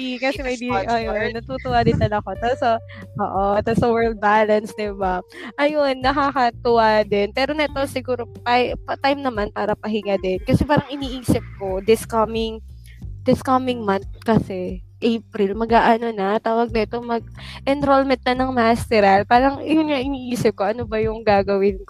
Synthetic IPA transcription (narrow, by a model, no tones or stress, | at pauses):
ikɐsɛmɐjd̪iʔjonːɐt̪uːt̪ʊwad̪ɪnt̪ɐlɐko̞t̪osɐ | ʔo̰ːʔot̪osɐwɛld̪̚balɐnsd̪ɪbaʔɐjonːɐkakɐt̪ʊwad̪ɪnpɛːɾo̞nɐt̪o̞sɪɡuːɾopapɐt̪ajmnɐmanpaːɾɐpɐɦɪŋad̪ɛnkɐsɛpaːɾɐŋʔɪniːʔiːsɪp̚ko̞d̪ɪskɐmɪŋ | d̪̥ɪskɐmɪŋmɐnt̪̚kɐsɛ | ʔejp̚ɾɪlmɐɡaːʔɐno̞nɐt̪aːwɐɡ̚nɐʔɛt̪o̞mɐɡ̚ʔɛnt̪ɾolmɛnt̪̚nɐnɐŋmast̪ɛɾɐlpaːɾɐŋjʊnŋaʔɪniːʔiːsɪp̚koʔɐnobɐjʊŋɡaːɡɐwɪnko